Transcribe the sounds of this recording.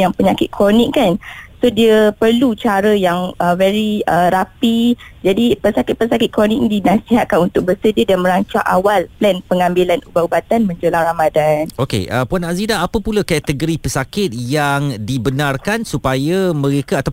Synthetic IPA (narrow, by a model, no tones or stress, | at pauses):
jaŋpəɲakɪt̪̚kʰɾonɪkkansodiəpərlut͡ʃaɾəjaŋəvɛɾiəɾapid͡ʒadipəsakɪt̪̚pəsakɪt̪̚kɾonik̚nidinasiɦat̪̚kanunt̪ʊk̚bəsədidanmə̃ɾaɲt͡ʃaŋʔawalplɛnpəŋambilanubaʔubat̪anmə̃ɲd͡ʒolaŋramadanokḛʔəpuanazidaapəpulakɛt̪əɡəɾipəsakɪt̪̚jaŋdibənarkansupajamə̃ɾekaat̪a